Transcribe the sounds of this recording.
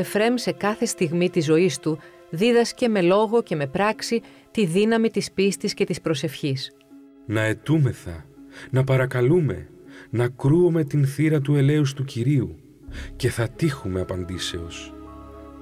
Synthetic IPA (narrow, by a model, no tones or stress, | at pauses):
efɾe̞mse̞kɐθe̞st̪iɣmit̪izo̞ist̪u | ðiðɐsce̞me̞lo̞ɣo̞ce̞me̞pɾɐksi | t̪iðinɐmit̪ispist̪isce̞t̪ispɾo̞se̞fçis | nɐe̞t̪ume̞θɐ̰nɐpɐɾɐkɐlume̞̰ | nɐkɾuome̞t̪inθiɾɐt̪̬ue̞le̞us̬t̪uciɾiu | ce̞θɐt̪ixume̞ɐpɐnd̪ise̞o̞s